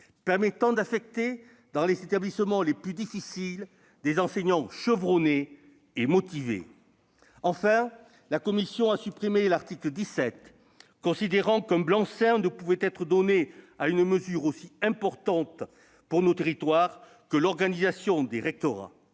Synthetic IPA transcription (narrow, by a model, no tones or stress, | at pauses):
pɛʁmɛt̪ɑ̃d̪afɛk̚t̪e | d̪ɑ̃lezet̪ablisəmɑ̃leplyd̪ifisil | d̪ezɑ̃sɛɲɑ̃ʃəvʁɔneː | mɔt̪ivḛ | ɑ̃fɛ̃ | lakɔmisjɔ̃asypχimelaʁt̪ikləd̪isɛt̪ | kɔ̃sid̪eʁɑ̃kɛ̃mblɑ̃sɛ̃nəpuvɛt̪ɛt̪χəd̪ɔne | aynməzyʁosiɛ̃pɔʁt̪ɑ̃t̪ | puʁnot̪eʁit̪waʁ | kəlɔʁɡanizasjɔ̃d̪eʁɛk̚t̪ɔʁa̰